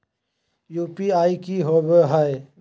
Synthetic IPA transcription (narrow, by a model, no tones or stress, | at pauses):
juːpiaːikiɦoːbəɦae